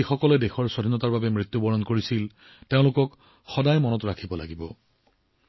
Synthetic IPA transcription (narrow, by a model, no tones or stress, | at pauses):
ixɔkɔlɛdexɔɹsodʱinɔtaɹbabɛmɹit̪ːjubɔɹɔnkoɹisil | teʊ̃lʊkɔk | xɔdajmɔnɔtɹakʰibɔla̰ɡibɔ̰